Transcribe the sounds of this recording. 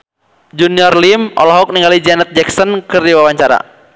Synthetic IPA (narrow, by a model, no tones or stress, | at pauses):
d͡ʒuniɔrlimɔ̰lɔɦɔk̚niŋɡalid͡ʒɛnɛt̪̚d͡ʒɛksɔnkɨrdiwawaɲt͡ʃaɾa̰